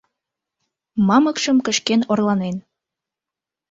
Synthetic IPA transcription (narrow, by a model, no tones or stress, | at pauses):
mɑməkʃə̆mkə̆ʃkenorlɑnen